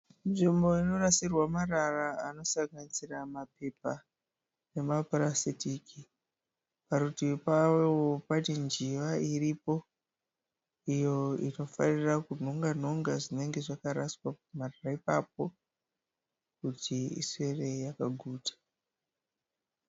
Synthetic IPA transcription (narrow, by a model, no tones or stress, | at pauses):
ʐimbo̞ino̞rasirwamararaano̞saɡanisiramape̞pa | ne̞mapaɾasitiːki | paɾutipawwopatind͡ʒiʋaiɾipo̞ | ijo̞ḭno̞fanirakun̤o̞ŋɡan̤o̞ŋɡaʐine̞ŋɡe̞ʐakaɾaswapumararaipap̚o̞ | kutʰiḭswe̞re̞jakaɡʱuːtḁ